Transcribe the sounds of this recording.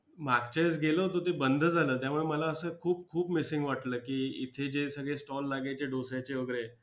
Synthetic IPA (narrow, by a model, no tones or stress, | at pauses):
makt͡ɕejsɡelət̪ot̪ebənd̪ʱəd͡zʱaləːt̪jamuɭeməlaəsəːkʰuːp̚kʰuːpmisiŋɡʋaʈləːkiːit̪ʰed͡ʑesəɡɭesʈɔlːaɡat͡ɕeɖosjat͡ɕeʋəɡɾe